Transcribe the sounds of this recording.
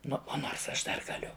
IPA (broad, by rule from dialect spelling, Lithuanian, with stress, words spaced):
ˈnʊ ˈoːnoːrs ˈɐʃ ˈdɐr ɡɐˈlʲʊ